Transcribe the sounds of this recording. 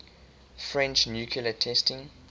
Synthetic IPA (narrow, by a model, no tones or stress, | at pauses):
fɹɛ̃nt͡ʃnjuːkʰilətʰɛstɪ̃ŋ